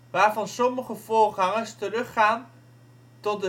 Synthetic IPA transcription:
ʋaːɹvɑnsɔməχəvʊːrχɑŋəstərɵχaːn | tɔt̚də

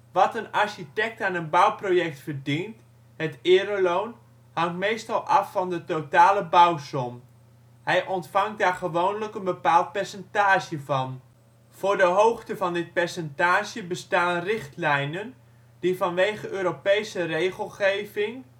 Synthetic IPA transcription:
ʋɑtənaɹʃitɛk̚taːnənbʌwprojɛk̚tfərdint | hətɪːɾəlown | hɑŋtmejstɑlˠʔɑfːɑndətotaːləbawsɔm | hɛjʔɔntfɑŋdaːrχəʋownləkənbəpaːlˠt̚pɛrsɛntaːʒjəvɑn | v̥ʊːrdəɦowχtəvɑndɪt̚pɛɹsɛntaːʒjəbəstaːnrɪχtlɛjnən | d̥ivɑnʋejχəʔøːɾopejsərejχəlˠχejvɪŋ

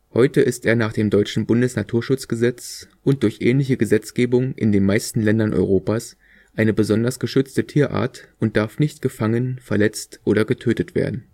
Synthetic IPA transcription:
hɔʏtəʔɪsteːɐnaːχd̥eːmdɔʏt͡ʃn̩bʊndəsnatʰuːɐʃʊt͡sɡ̥əzɛt͡sʔʊnt̚d̥ʊɐçʔɛ̰ːnlɪçəɡəzɛt͡sɡ̥eːbʊŋʔɪ̰ndeːnmaɪstn̩lɛndɐnʔɔ̰ʏʁ̞oːpaːs | ʔaɪnəbəzɔndɐsɡ̥əʃʏt͡stətʰiːɐʔa̰ːɐtʊnt̚d̥aɐfnɪçtɡ̥əfaŋənfɛɐlɛt͡stʔoːɾɐɡətʰøːtətv̥ḛːɐdn̩

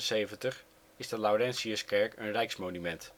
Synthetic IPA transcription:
sejvəntəχ | ɪzdəlawɾɛnsiəskɛɹkənrɛjksmownymɛnt

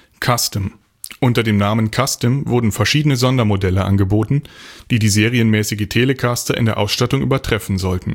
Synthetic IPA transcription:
kʰastəm | ʔʊntɐdeːmnaːmənkʰastəmvʊɐdn̩fɛɐʃiːdənəzɔndɐmodɛləʔa̰nɡəboːtn̩d̥iːdiːzeːʁiənmɛːsɪɡətʰeːləkʰastɐʔɪ̰ndeːɐʔa̰ʊsʃtatʊŋʔy̰ːbɐtʁ̥ɛfn̩zɔltn̩

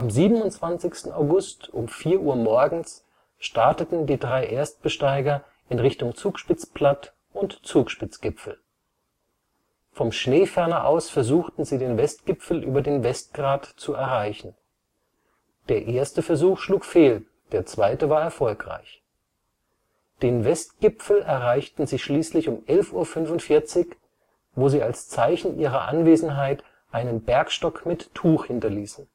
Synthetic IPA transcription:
ʔamziːbənʊnt͡sv̥ant͡sɪçstn̩aʊɡʊstʔʊmfiːɐʔuːɐmɔɐɡŋ̩s | ʃtaɐtətn̩diːdʁaɪʔeːɐst̚b̥əʃtaɪɡɐ | ʔɪnʁɪçtʊŋt͡suːkʃpɪt͡spʰl̥at | ʔʊntt͡suːkʃpɪt͡sɡ̥ɪpfl̩ | fɔmʃneːfɛɐnɐʔa̰ʊsfɛɐzuːxtn̩ziːdeːnvɛstɡ̥ɪpp͡fl̩ʔy̰ːbɐdeːnvɛst̚ɡ̥ʁaːtt͡suɛɐʁaɪçn̩ | d̥eːɐʔeːɐstəfɛɐzuːxʃluːkfeːl | d̥eːɐt͡sv̥aɪtəvaːɐɛɐfɔlkʁ̥a̰ɪç | d̥eːnvɛst̚ɡ̥ɪpfl̩ɛɐʁaɪçtn̩zɪʃliːslɪçʊmʔɛlfʔuːɐfʏnvʊntfɪɐt͡sɪç | voːziːalst͡saɪçn̩ʔiːʁ̞ɐʔa̰nveːzn̩ɦaɪt | ʔaɪnənbɛɐkʃtɔkmɪtʰːuːxhɪntɐliːsn̩

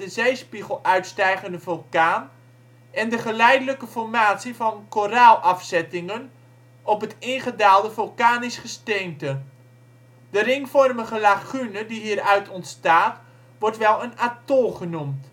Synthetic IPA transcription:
dəzejspiχəlˠœɥtstɛjχəndəvɔlˠkaːn | ʔɛndəχəlɛjdələkəfɔrmaːtsivɑnkoraːlˠʔɑfsɛtɪŋən | ɔpɦətɪnχədaːlˠdəvɔlˠkaːnɪsχəsteːntə | d̥ərɪŋfɔrməχəlaχynədiɦiːɾœɥtʰɔntstaːt | ʋɔrtʋɛlˠənatoχənumt

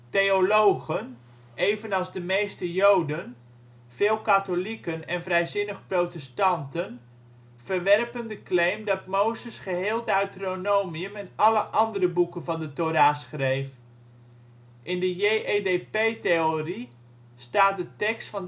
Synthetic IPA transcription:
tejolowχən | ʔejvənɑlˠzdəmejstəjowdən | v̥ɪːlˠkatolikənɛnvrɛjzɪnəχprowtəstɑntən | v̥ərʋɛrpəndəklejmdɑtmowzəsχəɦɪːlˠdəœɥtronowmiəmɛnɑləʔɑndərəbukənvɑndətoɾaːsχrejf | ʔɪndəjejʔedepejtejori | staːt̚dətɛkstfɑn

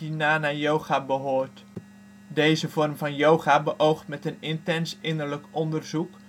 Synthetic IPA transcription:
inaːnaːjowχaːbəɦoːɹt | dejzəv̥ɔrmvɑnjowχaːbəʔowχtmɛtənɪntɛnsɪnəɹləkʔɔndərzuk

